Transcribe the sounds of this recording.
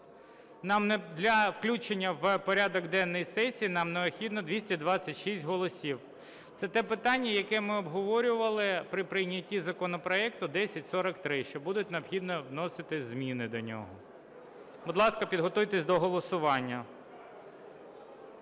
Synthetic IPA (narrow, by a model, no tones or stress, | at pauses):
nɑmnɛd̪lʲɐwklʲut͡ʃenʲːɐʋpɔɾʲad̪ɔkd̪ɛnːɔjisɛsʲijːnɑmneɔpxʲid̪nɔd̪ʋʲisʲtʲid̪ʋɑt͡sʲːɐtʲʃisʲtʲɦɔlˠɔsʲiw | t̪sɛt̪ɛpɪt̪ɑnʲːɐjɐkɛmɪɔbɦɔʋɔɾʲʊʋɐlˠɪpɾɪpɾɪjnʲɐtʲizɐkɔnɔpɾɔɛkt̪ʊd̪ɛsʲɐtʲsɔɾɐkt̪ɾɪʃt͡ʃɔbud̪ʊtʲneɔpxʲid̪nɔwnɔsɪt̪ɪzʲmʲinɪd̪ɔnʲɔ̰ɦɔ | bʊd̪lˠɑskɐpʲid̪ɦɔt̪ujt̪esʲd̪ɔɦɔlˠɔsʊʋɑnʲːɐ